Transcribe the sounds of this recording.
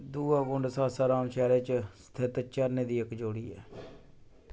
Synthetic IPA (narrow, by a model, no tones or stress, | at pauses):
d̪uːaːkʊ̃ɳɖsaːsaːɾaːmʃɛːɾeːt͡ʃst̪ʰɪt̪t͡ʃəɾneːd̪iːɪkd͡ʒoːɽiːɛ̰ː